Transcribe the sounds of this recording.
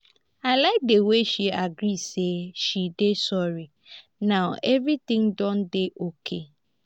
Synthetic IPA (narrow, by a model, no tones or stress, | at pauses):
aladeweʃiaɡɾiseʃidesɔɾi | nãʊɛvɾit̪ɪ̃ŋdɔ̃ndeʔokʰe